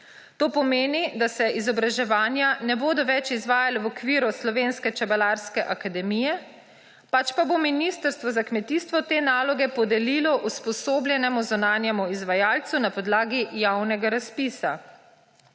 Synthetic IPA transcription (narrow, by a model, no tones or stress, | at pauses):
t̪oːpɔmeːnid̪asɛʔizɔbɾaʒɛʋaːnjanɛboːd̪ɔʋɛt͡ʃizʋaːjalɛwɔkʋiːɾuslɔʋeːnskɛt͡ʃɛbalaɾskɛʔakad̪ɛmijɛ | pat͡ʃpabominist̪əɾst̪ʋɔzakmɛt̪iːst̪ʋɔt̪eːnaːlɔɡɛpɔd̪ɛlilɔʔuspɔsoːblʲjɛnɛmuzunaːnjɛmuizʋajaːlt̪sunapɔd̪laːɡijawnɛɡaɾaspiːsa